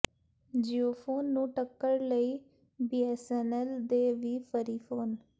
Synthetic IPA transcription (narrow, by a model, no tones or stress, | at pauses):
d͡ʒiːoːpʰoːnːũːʈəkːəɽləiː | biːɛːsɛːnɛːld̪eːʋiːpʰəɾiːpʰoːn